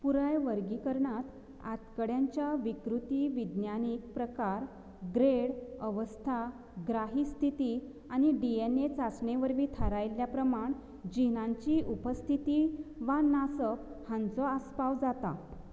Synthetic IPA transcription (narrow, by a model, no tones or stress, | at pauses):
puɾajʋəɾɡikəɾɳat̪ | a̰t̪kəɽjaɲt͡ɕjaʋikɾut̪iːʋid̪njanik̚pɾəkaɾ | ɡɾeɽəʋəst̪ʰa | ɡɾaɦist̪ʰit̪i | añiɖienet͡sasɳeʋəɾʋiːt̪ʰəɾajljapɾəmaɳ | d͡ʑinãɲt͡ɕiʔupəst̪ʰit̪iʋanasəphãnt͡sɔaspaʋd͡zat̪a̰